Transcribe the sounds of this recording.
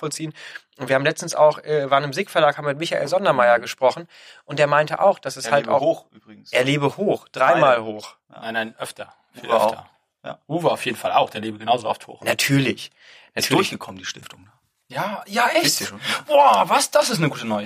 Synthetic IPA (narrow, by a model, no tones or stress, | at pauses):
fɔlt͡siːənʔʊntviːɐhaːmlɛt͡stn̩sa̰ʊxʔɛːvaːɐənɪmzɪːkfɛɐlaːkhaːmvɪmɪtmɪçaʔḛːlzɔndɐmaɪɐɡəʃpʁ̥ɔχn̩ | ʔʊntd̥eːɐmaɪntəʔa̰ʊxd̥asɛshala̰ʊhːyːbʁɪɡ̩sdeːɐleːbəhoːxd̥ʁaɪmaːlhoːx | aɪnaɪnʔœftʰɐ | v̰ɐ̰ | ja̰ʁuːvəaʊfjeːdn̩falaʊxd̥eːɐleːbəɡənaʊzoaʊftʰho̰ːnatʰyːɐlɪç | natʰyːɐçɡ̥əkʰɔmən̩diːʃtɪftʊŋda | jaːjaːʔɛnvoːvasd̥asɪstnəɡuːtənɔʏə